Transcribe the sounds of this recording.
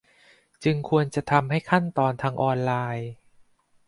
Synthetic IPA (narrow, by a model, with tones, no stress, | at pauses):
t͡ɕɯ˧ŋkʰu˧ənt͡ɕa˨˩ʔt̪ʰa˧mha˥˩jkʰa˥˩nt̪ɔː˧nt̪ʰaː˧ŋʔɔː˧nlaː˧j